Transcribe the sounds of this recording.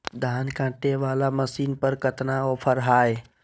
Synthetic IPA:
d̪ʱaːnkãːʈeʋaːlaməsiːnpəɾkət̪naɔːpʰəɾɦaːe

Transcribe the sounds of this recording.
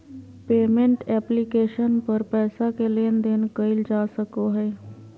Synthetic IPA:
peːmẽɳʈɛplikeːʃənpəɾpɛːsakeleːnd̪enkəɪld͡ʒaːsəkoɦɛː

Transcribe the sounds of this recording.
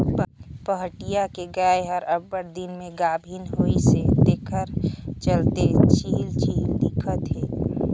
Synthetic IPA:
pəɦʈijakeɡaːeɦəɾəbːəɾd̪inmẽɡabʱinɦoised̪eːkʰəɾt͡ʃəlt̪et͡ʃilt͡ʃild̪ɪkʰət̪ɦeː

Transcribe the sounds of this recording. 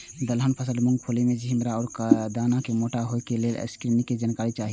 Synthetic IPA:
d̪əlɦənpʰəsəlmʊŋɡ̚pʰolimed͡ʒɦimɾaɔːɾkd̪aːnakemoːʈaɦojkelelʔə̰skɾiniked͡ʒankaːɾit͡ʃaːɦi

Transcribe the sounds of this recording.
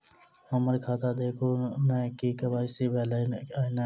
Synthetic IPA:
əməɾkʰaːt̪aːd̪eːkʰuːnakiːkəbaːisiːbʱeːlana

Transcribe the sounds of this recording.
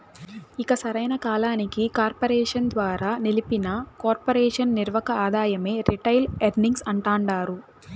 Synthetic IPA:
ikɐsɐɾɐjnɐkaːlaːnikikaːɾpɐɾɛːʂɐnd̪ʋaːɾaːnilipinɐkaːɾpɐɾɛːʂɐnniɾʋɐkɐaːd̪ʱaːjɐme̞ːɾiʈɐjleɖniŋɡsɐɳʈaːɳɖaːɾu

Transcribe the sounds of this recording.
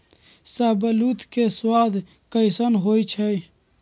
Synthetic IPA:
saːbɐlut̪keswaːd̪ʱ | kɐjsənɦoːit͡ʃʰej

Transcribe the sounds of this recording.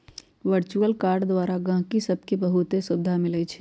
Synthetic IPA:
ʋəɾt͡ʃuəlkaːɾɖd̪waːɾaɡãːkisɐb̚kibɐɦut̪esʊd̪ʱːamɪlət͡ʃʰi̥

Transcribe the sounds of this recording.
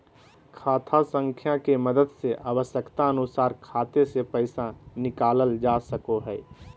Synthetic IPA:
kʰaːt̪ʰasə̃ŋkʰjakeməd̪əd̪seʔaːwəʃjəkt̪aənʊsaːɾkʰaːt̪esepəɪsanɪkaːləld͡ʒaːsəkoɦɛː

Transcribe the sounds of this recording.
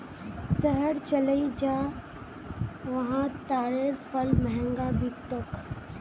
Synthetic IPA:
səɦəɾt͡ʃələid͡ʒaː | ʋɐɦãt̪aːɾeɾpʰəlməɦɛ̃ŋɡabɪkt̪ok

